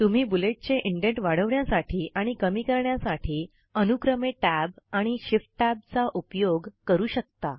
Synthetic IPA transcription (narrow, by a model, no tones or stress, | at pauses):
t̪um̤iːbuleʈ̚t͡ɕeʔiɳɖeʈʋaɽ̤əʋɳjasaʈʰiːʔaɽ̃ikəmiːkəɾɳjasaʈʰiː | ənukɾəmeʈæbaɽ̃iɕifʈʈæb̚t͡saʔupjoɡkəɾuːɕək̚t̪a